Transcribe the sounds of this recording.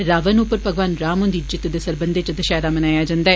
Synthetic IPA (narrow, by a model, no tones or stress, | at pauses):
ɾaːʋənupːəɾpəɡʋaːnɾaːmõnd̪id͡ʒɪt̪ːd̪esəɾbənd̪eːt͡ʃd̪əʃaːɾaːmənaːjaːd͡ʒãːnd̪aːɛː